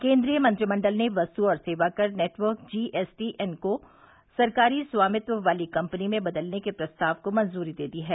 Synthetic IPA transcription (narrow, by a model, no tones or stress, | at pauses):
kẽːnd̪ɾijəmɐ̃nt̪ɾimɐ̃ɳɖəlneʋɐst̪uɔːɾseːʋakɐɾneːʈʋəɾkd͡ʒiːʔɛsʈiʔɛnko | sɐɾkaːɾisʋaːmɪt̪ʋəʋaːlikɐ̃mpənimẽbɐd̪əlnekepɾɐst̪aːʋkomɐ̃nzuːɾid̪eːd̪iɦɛː